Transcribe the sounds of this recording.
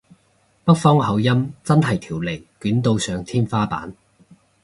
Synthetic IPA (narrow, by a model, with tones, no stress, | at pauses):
pɐ˥k̚fɔː˥ŋɦɐ˨˧wjɐ˥mt͡sɐ˥nɦɐ˨˩jt̪ʰiː˨˩wle˨˩jkyː˨˥nt̪o˧wsœː˨˧ŋt̪ʰiː˥nfaː˥pa̰ː˨˥n